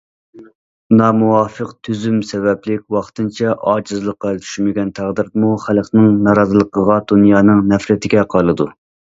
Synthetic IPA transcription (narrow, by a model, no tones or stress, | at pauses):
nɑːmuwɑːfəqt̪ʰyzymsɛvɛplɪkʲwɑχt̪ɨnt͡ʃʰɛʔɑːd͡ʒɨzlˠəqːɑt͡ʃʰy̥ʃmɪɡʲɛnt̪ʰæʁd̪ɨɾd̪ɨmuχælˠχnɨŋnɑɾɑzɨlˠəqʰəʁɑd̪unjɑːnɨŋnɛfɾɪt̪ʰɪɡʲɛqʰɑlˠɨd̪u